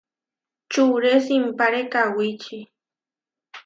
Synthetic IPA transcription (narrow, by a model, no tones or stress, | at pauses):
t͡ʃuɾesimpaɾekawit͡ʃi